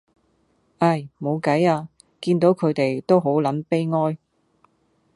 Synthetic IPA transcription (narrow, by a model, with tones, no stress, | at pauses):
ʔɐ˥˩jmo˨˧wkɐ˨˥jaː˧ | kiː˧nt̪o˨˥wkʰɵ˨˧ɥt̪e˨˩jt̪o˥wɦo˨˥wlɐ˨˥npe˥jŋɔː˥j